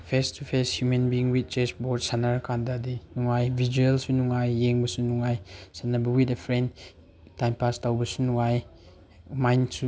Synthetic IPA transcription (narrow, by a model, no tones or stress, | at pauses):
pʰestʰupʰeshjumenbiiŋwit̚t͡ʃesboɾdsanaɾkʰandɐːdinuŋajbʱid͡ʒuelsunuŋajːeŋbɐsunuŋajsanɐbɐwitepʰɾend | tajmpastawbɐsunuŋaj | majnsu